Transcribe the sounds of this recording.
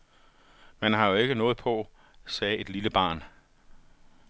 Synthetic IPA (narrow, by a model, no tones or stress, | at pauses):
mænhɑ̈jo̝e̝ɡ̥ənɔ̽ːð̞̩ˠpʰɒ̽ | sɛːe̝d̥liləb̥ɑ̰̈ːn